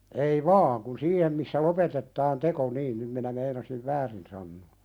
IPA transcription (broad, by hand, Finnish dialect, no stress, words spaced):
ei ʋɑːŋ kun siːhem misːæ lopetetːɑːn teko niːn nym minæ meinɑsiʋ ʋæːrin sɑnːoː